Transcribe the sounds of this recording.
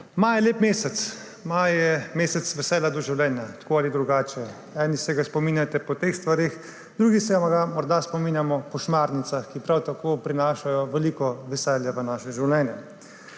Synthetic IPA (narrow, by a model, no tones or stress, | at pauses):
majleːpmeːsɛt̪s | majjɛmeːsɛt̪sʋɛsɛːlad̪ɔʒiwlʲɛːnjat̪koalid̪ɾuɡaːt͡ʃɛ | ɛːnisɛɡaspɔmiːnjat̪ɛpɔt̪eːxst̪ʋaɾeːx | d̪ɾuːɡisɛaɡamɔɾd̪aspɔmiːnjamɔpɔʃmaːɾnit̪saxkipɾawt̪akoːpɾinaːʃajɔʋɛliːkɔʋɛsɛljaʋənaːʃɛʒiwlʲɛːnjɛ